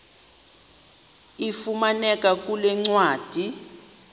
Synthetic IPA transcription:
ifumanɛkʼakʼulɛŋ͡ǀwaːd̥ʱi

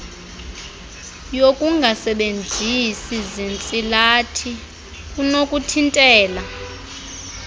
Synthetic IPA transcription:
jokʼuŋɡʱasɛɓend͡zʱisizint͡sʼilatʰi | kʼunokʼutʰintʼɛːla

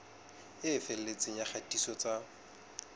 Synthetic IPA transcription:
ɪfɛl̩et͡sʼɪɲaχʰatʼisɔt͡sʼa

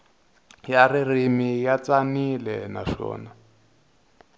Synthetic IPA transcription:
jaririmijat͡sanilɛnaʂɔ̰ːna

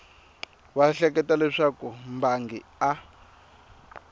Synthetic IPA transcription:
waɬɛk̬ɛtalɛʂakumbaŋɡḭa

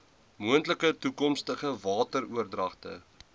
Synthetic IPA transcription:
muəntləkətukɔmstəχəvɑːtəɾuərdrɐχtə̰

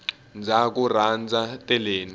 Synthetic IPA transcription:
nd͡zʱak̬ur̤and͡zʱatʼɛleːni

